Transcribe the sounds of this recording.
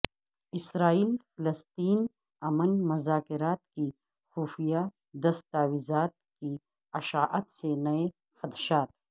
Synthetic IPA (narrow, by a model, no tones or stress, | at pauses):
ɪsɾaːiːlfɪlɐst̪iːn | ɐmənmʊzaːkɪɾaːt̪ki | xuːfija | d̪ɐst̪aːwizaːt̪̚ki | ɐʃaːʔɐt̪senɐe | xɐt̪ʃaːt̪